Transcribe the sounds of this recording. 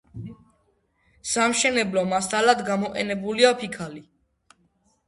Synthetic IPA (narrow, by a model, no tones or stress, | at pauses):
samʃɛnɛblɔmast̪ʼalad̪ɡamɔqʼɛ̰nɛbuliapʰikʰali